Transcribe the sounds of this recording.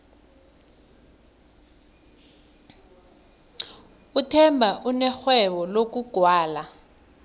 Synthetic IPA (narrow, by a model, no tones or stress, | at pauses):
utʰɛmbʱaʔunɛxwɛɓɔlok̬ʼuɡ̥ʱwaːla